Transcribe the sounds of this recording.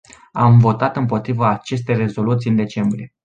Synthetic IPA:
amvo̞t̪at̪ɨmpo̞t̪ɾivəːt͡ʃe̞s̬t̪e̞jre̞zo̞lut̪sijɨnd̪e̞t͡ʃe̞mbɾie̞

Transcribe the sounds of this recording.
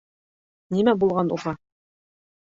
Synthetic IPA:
nimæbulˠʁɑnṵʁɑ

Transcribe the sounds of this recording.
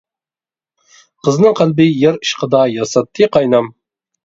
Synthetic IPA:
qəznɨŋqʰælbɪjɪɾiʃqəd̪ɑjɑsɑt̪ʰːɨqɑjnɑm

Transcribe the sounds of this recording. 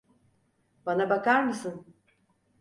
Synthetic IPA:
banabakaɾmɯsɯn

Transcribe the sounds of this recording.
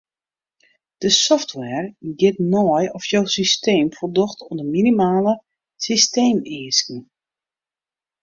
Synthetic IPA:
d̥əsɔftʰwɛrɡɪtnɔjɔfjowsisteːmfərdɔxtʰɔdəminimaːlə | sisteːmiːəskn̩

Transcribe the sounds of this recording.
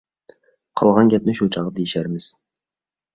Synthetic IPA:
qʰɑ̰lˠʁɑnɡʲæp̚nɪʃut͡ʃʰɑʁəd̪ejɪʃæɾmɪz̥

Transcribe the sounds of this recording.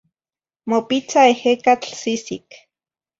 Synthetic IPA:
mopit͡saehekat͡ɬsisik

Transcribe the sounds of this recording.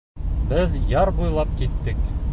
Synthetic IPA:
bɘðjɑɾbujlˠɑp̚kit̪ːɘk

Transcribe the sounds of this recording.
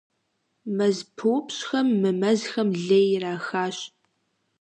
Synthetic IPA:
mɐzpʰɨwpɕxɐmːɨmɐzxɐmɮejraːxaːɕ

